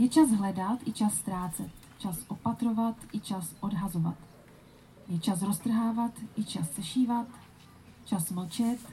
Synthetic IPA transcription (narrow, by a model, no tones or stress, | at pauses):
jɛt͡ʃasɦlɛdat̪ʔɪt͡ʃasːt̪ɾaːt͡sɛt̪ | t͡ʃasʔo̞pat̪ɾo̞vat̪ʔɪt͡ʃasʔo̞dɦazo̞va̰t̪ | jɛt͡ʃasɾost̪r̩ɦaːvat̪ʔɪt͡ʃast͡sɛʃiːvat̪ | t͡ʃasml̩t͡ʃɛt̪